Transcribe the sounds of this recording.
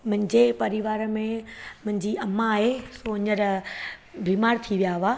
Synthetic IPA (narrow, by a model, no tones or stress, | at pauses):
mʊ̃ɦɪ̃ɲd͡ʑepɐɾiʋaːɾmẽmʊ̃ɦɪ̃ɲd͡ʑiɐmːaːɦesoːɪɲəɾ | bʱiːmaːɾt̪ʰiʋijaɦʋaː